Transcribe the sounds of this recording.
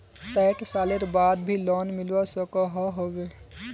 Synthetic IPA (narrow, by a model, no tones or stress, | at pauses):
saɪʈsaːleɾbaːd̪bʱilɔːnmɪlwasɔkaɦɔɦoːɡeː